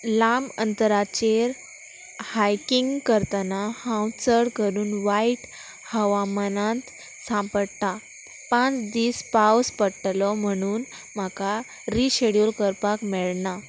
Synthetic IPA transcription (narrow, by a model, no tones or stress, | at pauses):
lamənt̪əɾat͡ɕeɾ | hajkiŋɡkəɾt̪anahãwt͡səɽkəɾuːnʋaiʈ | həʋamənãnt̪ | sãmpəɽt̪a | pãt͡sd̪iːspawspəʈlɔm̤əɽ̃uːn | m̤aka | ɾiɕeɽjulkəɾpakmɛɭna